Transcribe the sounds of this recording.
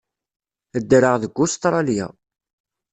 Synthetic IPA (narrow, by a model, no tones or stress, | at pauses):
əd̪ːɾəʁðəɡʷːʊst̪ɾˤɑlja̰